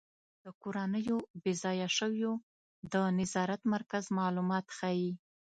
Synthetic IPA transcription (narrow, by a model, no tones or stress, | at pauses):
d̪̥əkoɾanəjobɪzɑjaʃəwjo | d̪ənɪzɑɾat̪maɾkazmɑlumɑt̪xaji